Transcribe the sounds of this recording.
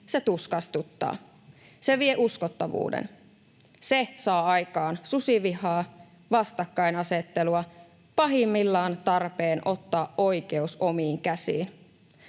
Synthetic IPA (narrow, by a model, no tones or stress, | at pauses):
se̞t̪uskɑst̪ut̪ːɑ̰ː | se̞ʋieʔuskot̪ːɑʋṵːdḛn | se̞sɑːɑjkɑːnsusiʋiɦɑː | ʋɑst̪ɑkːɑjnɑse̞t̪ːe̞luɑ | pɑɦimːilːɑːnt̪ɑrpeːnʔo̞t̪ːɑːʔʔo̞jke̞uso̞miːŋkæsḭːn